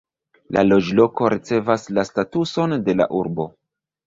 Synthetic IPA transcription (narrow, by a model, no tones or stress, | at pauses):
lʔa̰lo̞d͡ʒlo̞ko̞ɾʔit͡se̞vaslastatuso̞nde̞la̰ʔuɾbo̞